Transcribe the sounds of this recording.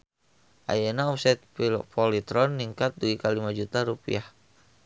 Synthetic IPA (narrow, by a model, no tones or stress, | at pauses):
ʔa̰janaɔpsɛt̪̚ppɔlit̪ɾɔnːiŋkat̪̚duikalimad͡ʒut̪aɾupḭah